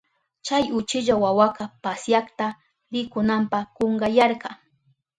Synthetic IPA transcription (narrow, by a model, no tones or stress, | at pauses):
t͡ʃajʊt͡ʃɪʎawawaqɑpasjaχt̪a | ɾɪkʊnampɑkoŋɢɑjaɾqɑ